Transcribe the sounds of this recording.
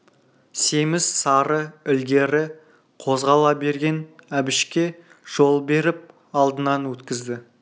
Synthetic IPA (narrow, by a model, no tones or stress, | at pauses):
semɪssɑɾəɪlɡʲe̞ɾɪ | qʰo̞zʁɑlˠɑbe̞ɾɡʲe̞næbɪʃkʲe̞ | ʒ̥o̞lˠbe̞ɾɪp̚ | ɑlˠd̪ənɑnwɵt̪kʲɪzd̪ɪ